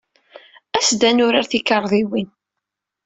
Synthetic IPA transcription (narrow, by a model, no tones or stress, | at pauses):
æsd̪ænʊɾaɾθikɑɾˤðˤiwin